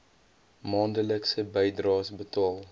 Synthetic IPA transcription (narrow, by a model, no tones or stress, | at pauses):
mɑːndələksəbəjdrɑːsbətɑːlˠ